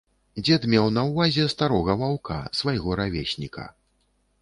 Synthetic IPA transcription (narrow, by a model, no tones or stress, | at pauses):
d͡zʲɛt̪mʲɛwnɐwvazʲɛst̪aɾɔɣɐvawka̰svajɣɔɾavʲesʲnʲikʰɐ̰